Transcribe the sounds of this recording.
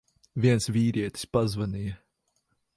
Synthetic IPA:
vʲiɛnsvʲiːɾiɛt̪i̥spazvanijɐ

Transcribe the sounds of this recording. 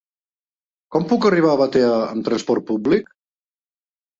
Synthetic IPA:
kɔmpukəriβ̞aːβət̪eəəmt̪ɾənspɔɾt̪̚publik

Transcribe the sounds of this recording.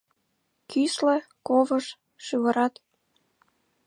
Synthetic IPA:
kʰyslĕkovəʃ | ʃyβɤ̆ɾɑt̪

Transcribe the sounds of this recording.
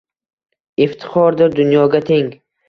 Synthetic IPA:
ɪft̪ʰɪ̥χɒɾd̪ɪɾd̪ʊnjɒɡʲat̪ʰeŋ

